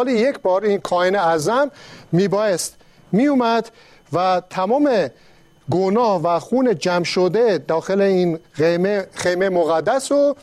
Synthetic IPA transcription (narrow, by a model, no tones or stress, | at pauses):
lijekʰbɒːɾinkʰɒːeneæzænmiːbɒːjest̪ | miːjumæd̪ | væt̪ʰæmɒːme | ɡonɒːhvæxuːned͡ʒæmʃod̪ed̪ɒːxeleiːneexejmemoɣæd̪ːæso